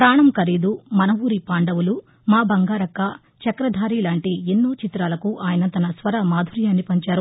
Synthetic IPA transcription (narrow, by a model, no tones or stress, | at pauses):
pɾaːɳɐmkɐɾiːd̪umɐnɐʋuːɾipaːɳɖɐwulu | maːbɐŋɡaːɾɐkɐ | t͡ʃɐkɾɐd̪ʱaːɾiːlaːɳʈienːuːt͡ʃit̪ɾaːlɐkuʔaːjɐnɐt̪ɐnɐsʋɐɾɐmaːd̪ʱuɾjaːnːipɐɲt͡ʃaːɾu